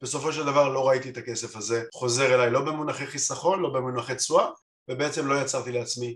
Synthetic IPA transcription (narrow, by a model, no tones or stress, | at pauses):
b̥e̞so̞fo̞ʃeld̪avaʁlo̞ʁait̪iet̪ake̞se̞faze̞χo̞ze̞ʁe̞lajlo̞bemunaχeχisaχo̞nlo̞bemunaχet͡sua | vebeet͡se̞mlo̞jat͡saʁt̪ileat͡smi